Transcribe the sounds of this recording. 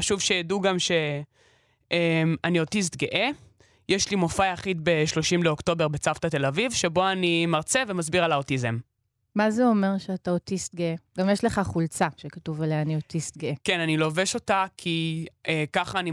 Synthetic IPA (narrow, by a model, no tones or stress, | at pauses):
aʃuvʃejaduɡamʃe̞ | ʔemanio̞tis̬t̪ɡeʔe | jeʃlimofaaχidbe̞ʃlo̞ʃimleo̞kto̞be̞ʁbet͡saftate̞lavivʃebo̞animaʁt͡seve̞mazbiʁalaotize̞m | mazeome̞ʁʃeataotist̪̚ɡeeɡamjeʃle̞χaχult͡saʃekatuvalajaniotist̚ɡeekenanilo̞veʃo̞takʰiʔekaχaːni